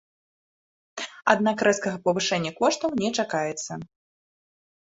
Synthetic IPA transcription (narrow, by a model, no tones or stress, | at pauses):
a̰d̪nakɾɛskɐɣɐpɐvɨʂɛnʲːɐkɔʂt̪ɐwnʲɛt͡ʂakajɛt̪sːɐ